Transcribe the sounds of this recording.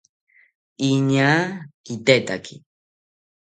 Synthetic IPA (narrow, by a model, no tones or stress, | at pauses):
iɲakit̪et̪a̰kʰi